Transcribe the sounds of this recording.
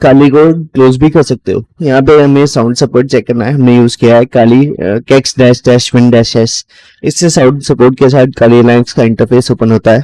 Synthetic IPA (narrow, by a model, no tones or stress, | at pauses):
kaːlikokloːzbʱikɐɾsɐk̚t̪eɦo̰ːjɐɦãpeɦɐmẽsaːʊ̃ɳɖsɐpoːɾʈ̚t͡ʃɛːkːɐɾnaɦɛɦɐmnejuːzkijaɦɛkaːlikɛːksɖɛːʃʈɛːʃʋɪ̃ɳɖɛːʃʈɛːs | ɪsːesaʊ̃ɖsɐpoːɾʈkes̬aːt̪̚ʰkaːlilãːŋkskaɪ̃ɳʈəɾpʰeːsoːpənɦoːt̪aɦɛː